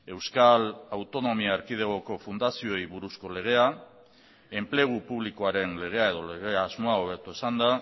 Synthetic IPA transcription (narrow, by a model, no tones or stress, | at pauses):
e̞wskalawt̪o̞no̞miaːɾkið̞e̞ɣo̞ko̞fund̪asio̞ejβuɾusko̞le̞ɣ̞e̞a | e̞mple̞ɣ̞upuβliko̞aɾe̞nle̞ɣ̞e̞ae̞ðo̞leɣe̞aːzmo̞aoβe̞ɾt̪ue̞sand̪a